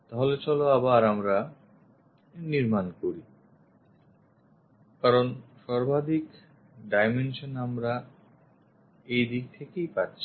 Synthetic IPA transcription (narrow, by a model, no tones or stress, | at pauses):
t̪aɦolet͡ɕɔloabaaɾamɾa | niɾmankoɾi | kaɾonʃɔɾbʱad̪ʱik | ɖajmenʃonamɾa | ejd̪ik̚t̪ʰekejpatːɕʰi̥